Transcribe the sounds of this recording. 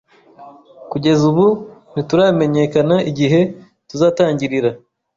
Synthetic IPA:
kuɟe̞zuβunituɾame̞ɲe̞kanaʔiɟiɦe̞ | tuzaːtaːɲɟiɾiɾa

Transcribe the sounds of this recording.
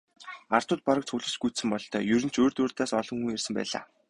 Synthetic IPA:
ar̥t̪ʊːt̪̚paɾəkt͡sʰʊɮə̆t͡ɕɡusɘ̆mpɔɮt̪ʰœ̰ːjɵɾɘ̆n̥t͡ɕʰoːrt̪oːrt̪aːsɔɮɞ̆ŋxuŋersɘ̆mpæ̰ːɮa̰ː

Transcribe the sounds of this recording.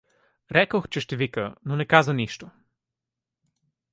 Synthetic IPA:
ɾɛkoxt͡ʃɛʃt̪ɛvikənonɛkazəniʃt̪o

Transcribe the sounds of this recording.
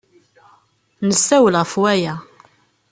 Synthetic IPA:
nəsːæwəlʁəfwæjæ

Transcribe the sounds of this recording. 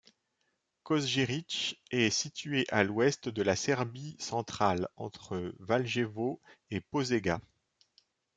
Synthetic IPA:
kɔzʒeʁit͡ʃɛsit̪ɥeʔalwɛst̪d̪əlasɛʁbisɑ̃t̪χalɑ̰̃t̪χəvalʒevoepozeɡa

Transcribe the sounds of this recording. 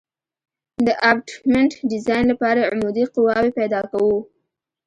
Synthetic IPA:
d̪əʔabʈmɪɳʈɖɪzɑjnlapɑɾaʕʊmud̪iqʊwɑwepajd̪ɑkawu

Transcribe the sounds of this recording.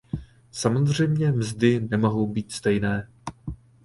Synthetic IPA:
samo̞zr̝ɛjmɲɛmzdɪnɛmo̞ɦo̞wbiːt̪st̪ɛjnɛː

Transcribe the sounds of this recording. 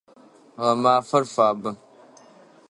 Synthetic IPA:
ɣamaːfɐɾfaːbə

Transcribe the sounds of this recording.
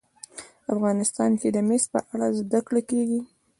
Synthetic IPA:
afɣɑnɪst̪ɑnked̪əmest̪̚pə̰ʔaɽazd̪akɽekeɡi

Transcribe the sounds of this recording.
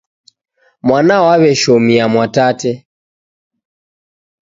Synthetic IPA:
mwanawaβɛʃɔmiamwatatɛ

